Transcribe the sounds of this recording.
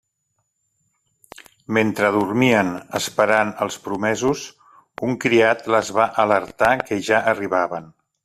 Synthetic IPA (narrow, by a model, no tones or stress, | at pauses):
ment̪ɾəðurmiənəspəɾanəlˠspɾumɛzuz | uŋkɾiat̪ləzβaʔələɾt̪akəʒaʔəriβaβən